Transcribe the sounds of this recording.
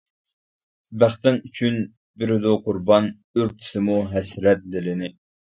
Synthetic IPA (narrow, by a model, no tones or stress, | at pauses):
bæχt̪ɪŋyt͡ʃʰyn | bɪɾɪd̪uqʰʊɾbɑn | øɾt̪ʰɪ̥sɪmuɦɛsɾɛt̪̚d̪ɪlɪnɪ